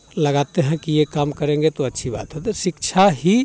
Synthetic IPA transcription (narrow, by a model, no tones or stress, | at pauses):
ləɡat̪eɦɛ̃kijekamkəɾẽŋɡet̪oətːʃʰiba̰t̪ɦot̪esikt͡ʃʰaɦi